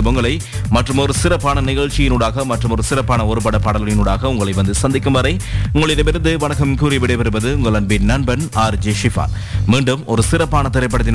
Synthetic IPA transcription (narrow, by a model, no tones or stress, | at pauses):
mʊŋɡɐɭɐɪ | mɐʈrɯmɔɾɯsɪɾɐpːaːnɐnɪɣɐɭt͡ʃːɪjɪnuɽaːɣɐmɐʈrɯmɔɾɯsɪɾɐpːaːnɐɔɾɯpɐɽɐpːɐɽɐlɯɭɪnʊɽaːɣɐʊŋɡɐɭɐɪʋɐnd̪ɯsɐnd̪ɪkːɯmʋɐɾɐɪʊŋɡɐɭɪlɐʋɪɾɐnd̪ɯʋɐɳɐkːɐmkuːɾɪʋɪɽɐɪpɐɾɯbɐðɯʊŋɡɐɭɐnbɪnɐnbɐnaːɾd͡ʒeːʂɪfa̰ːl | miːɳɖɯmɔɾɯsɪɾɐpːaːnɐt̪ɪɾɐɪp̬ːɐɽɐt̪̬ːɪn